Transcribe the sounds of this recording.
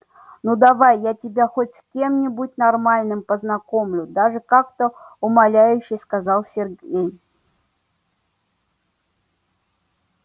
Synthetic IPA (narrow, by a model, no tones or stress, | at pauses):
nud̪avajːatʲɪbʲaxotʲskʲe̞mnʲɪbut̚ʲnarmalʲnɨmpəznako̞mlʲʊd̪aʐɨkakt̪əʊmalʲæjʉɕːɪjskazalˠsʲɪrɡʲej